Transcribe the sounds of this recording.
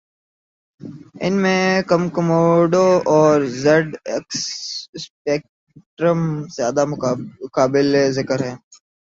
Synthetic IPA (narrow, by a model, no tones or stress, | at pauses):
ɪnmẽkɐmkɐmoːɖoɔːɾzɐɖeksspeːk̚ | ʈɾəmzjaːd̪akaːbɪlezɪkəɾɦɛ̃ː